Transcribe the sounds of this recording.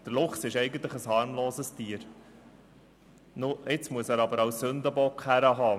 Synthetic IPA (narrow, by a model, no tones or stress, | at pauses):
d̥əɾlʊχsɪʃɛɪɡən̩t̪ləχəshɑːɾmloːsəstiːəɾ | nʊɪt͡smuəsæːɾɑbəɾɑwsːɵnd̪əbɔkχhæɾəɦɑː